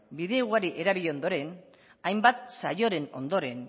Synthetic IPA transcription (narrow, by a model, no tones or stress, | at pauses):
biðe̞ɣuaɾiʔe̞ɾaβiʎe̞o̞nd̪o̞ɾe̞n | ajmbat̪sajo̞ɾe̞no̞̰nd̪o̞ɾe̞n